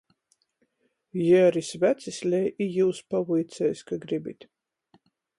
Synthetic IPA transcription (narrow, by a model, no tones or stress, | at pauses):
jiaɾisvæt̪sisʲlʲɛjʔijuːspavujt̪sʲɛjskaɡɾibit̪ʲ